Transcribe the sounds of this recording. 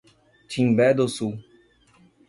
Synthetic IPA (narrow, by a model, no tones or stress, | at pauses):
t͡ʃĩŋbɛd̪osu